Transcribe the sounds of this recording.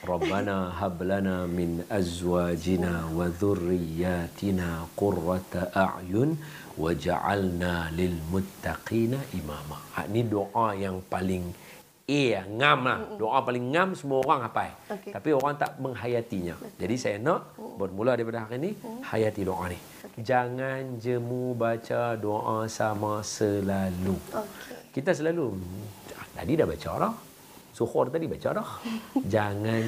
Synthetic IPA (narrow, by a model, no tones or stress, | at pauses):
rˤɑbːanaɦablanamɪnʔazwaːd͡ʒinawaðʊrːijːaːt̪inaːqʊrːat̪ʔaʕjʊn | wad͡ʒa̰ʕa̰lnalɪlmʊt̪ːaqiːnaʔimamaha̰ʔinidoʔajaŋpalɪŋ | eaŋamlahdoʔapalɪŋːamsəmuaoɣaŋapajt̪apioɾaŋt̪a̰ʔməŋɦajat̪iɲa̰d͡ʒadisajanaʔbərmuladaɾipadaɦakinihajat̪idoʔa̰nih | d͡ʒaŋand͡ʒəmubat͡ʃadoʔasamasəlalu | kit̪as̬əlalu | at̪a̰didahbat͡ʃao̰ɾah | suhɔrt̪adibat͡ʃaɾɔhd͡ʒaŋan